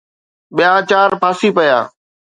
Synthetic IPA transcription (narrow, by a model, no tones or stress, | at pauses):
ɓɪjaːt͡ʃaːɾpaːsiːpəjaː